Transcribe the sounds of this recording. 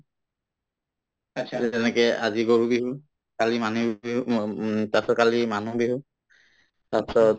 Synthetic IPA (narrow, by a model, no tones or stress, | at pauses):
ɛnɛkɛʔaziɡoɹubiɦu | kalimanubiɦutasɔkalimanubiɦu | tasɔt